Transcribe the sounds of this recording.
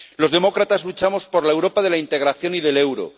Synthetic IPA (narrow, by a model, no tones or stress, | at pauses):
lo̞zðe̞mo̞kɾat̪azlut͡ʃamo̞spo̞ɾlaewɾo̞pað̞e̞laint̪e̞ɣ̞ɾaθjo̞niðe̞le̞wɾo̞̰